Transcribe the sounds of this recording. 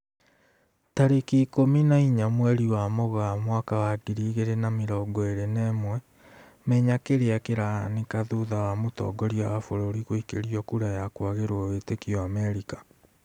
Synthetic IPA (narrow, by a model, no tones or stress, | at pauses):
taɾekiːkominaiɲamwɛɾiwamɔɣamwakawaɡiɾiːɣeɾenameɾɔːɡɔeɾenɛmwɛ | mɛɲakeɾeakeɾanekaðoðawamotɔ̰ːɡɔɾiawafoɾoːɾiɣoikeɾiɔkuɾajakwaɣeɾwɔwetekiɔamɛɾikḁ